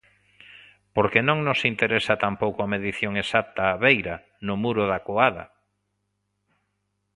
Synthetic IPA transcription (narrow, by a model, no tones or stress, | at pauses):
poɾkenõŋnosint̪eɾesat̪ampowkʊameðiθjoŋesat̪aːβejɾa | nʊmuɾʊðakoaðɐ̰